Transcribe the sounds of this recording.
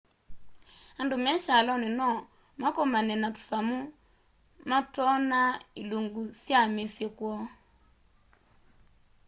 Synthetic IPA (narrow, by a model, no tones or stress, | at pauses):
andomɛʃalɔnenɔ | makɔmanɛnatu̥samu | matɔnailuŋɡusjamesjɛkwɔ